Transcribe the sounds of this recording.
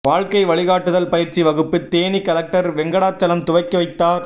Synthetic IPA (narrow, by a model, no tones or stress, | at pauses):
ʋaːɻkɐɪʋɐɭɪɣaːʈːɯðɐlpɐjɪɾt͡ʃiʋɐɣɯpːɯt̪ːeːnikɐlɐk̚ʈɐɾʋɛŋɡɐɽaːt͡ʃːɐlɐmt̪ʊʋɐɪkːɯʋɐɪt̪ːaːɾ